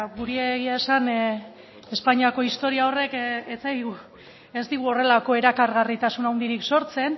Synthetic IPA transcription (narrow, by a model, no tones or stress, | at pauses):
ɣuɾieɣiaesan | espaɲiako̞ist̪o̞ɾiao̞re̞ket͡saɣu | e̞zd̪iɣ̞uo̞re̞lako̞e̞ɾakaɾɣarit̪asunawnd̪iɾikso̞ɾt͡se̞n